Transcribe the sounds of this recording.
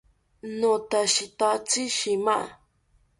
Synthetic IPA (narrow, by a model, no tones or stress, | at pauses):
nõt̪aʃit̪at͡siʃimaʔ